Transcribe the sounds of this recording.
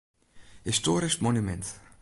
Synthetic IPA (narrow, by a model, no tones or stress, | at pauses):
histoːɾɪsmonymɛnt